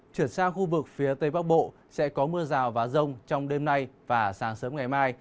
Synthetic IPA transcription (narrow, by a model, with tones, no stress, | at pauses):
t͡ɕwi˧˩ənsaː˧ŋxu˧vɨ˨˩k̚fi˨˦ət̪ə˨˧˩jɓa˦˥k̚ɓo̰˧˨ | sɛ̰˧˥kɔ˨˦mɨ˧əzaː˨˩wvaː˨˦zə˧wŋ͡mt͡ɕɔ˧wŋ͡mɗe˧mna˧jvaː˨˩saː˨˦ŋsəː˨˦mŋ͡mŋa˨˩jmaː˧j